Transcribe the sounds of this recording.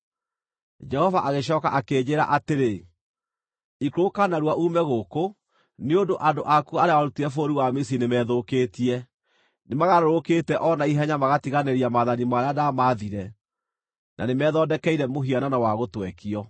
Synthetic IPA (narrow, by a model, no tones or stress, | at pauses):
d͡ʒɛhɔvaʔaɣeɕ̬ɔːka̰ʔakeːɲeɾa̰ʔateɾe | ikokanaɾwaʔumɛɣoko | neondoʔandoʔakuaɾeawaɾutiɾɛfoɾiwamis̬inemɛːðokeːtiɛ | nemaɣaɾoɾokeːtɛʔɔnaiɦɛɲamaɣatiɣaneɾiamaːðanimaɾadamaðiɾɛ | nʔa̰nemɛːðɔːdɛkɛiɾɛmoɦiananawaɣotwɛkiɔ